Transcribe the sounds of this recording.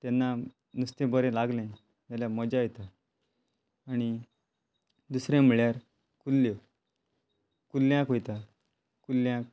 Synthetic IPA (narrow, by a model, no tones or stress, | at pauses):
t̪ɛnːa | nust̪ẽbəɾɛ̃laɡlɛ̃ | jaljaməd͡ʑajɛt̪a | ñi | d̪usɾẽm̤iɭjaɾ | kulːo | kulːjãkɦojt̪a | kulːjãk